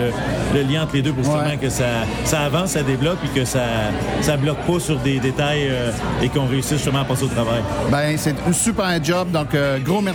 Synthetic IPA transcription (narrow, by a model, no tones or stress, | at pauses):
ələljɛ̃ɑ̃t̪χled̪øp̬uʁɛmɛ̃kəsa | saːvɑ̃sad̪eblɔk̚pːikəsasablɔk̚pɔsyʁd̪ed̪et̪ajø | ekɔ̃ʁeysiʒ̥əʁmãapɑːseot̪ʁavajbɛsɛt̪ynsypɛʁɛ̃d͡ʒɔb̚d̪ɔ̃køɡʁomɛ